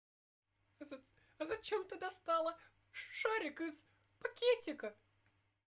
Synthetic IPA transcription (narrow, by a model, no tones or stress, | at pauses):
zɐ | ɐzɐt͡ɕemt̪ɐd̪ast̪ɑlˠə | ʂaɾʲɪkɨz | pɐkʲetʲɪkə